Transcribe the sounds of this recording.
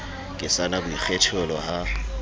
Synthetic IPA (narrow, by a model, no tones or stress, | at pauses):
kʼɪsanabʊik͡xʰɛtʰɛlɔha